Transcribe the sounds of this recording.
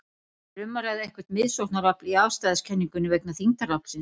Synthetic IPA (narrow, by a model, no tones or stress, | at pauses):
rʏmːaɾaɣðɪɛhkvɛ̥t̪mɪðsowht̪naɾapliawst̪ajðascʰɛnːiŋkʏnːɪveknaθiŋt̪aɾapl̥sɪn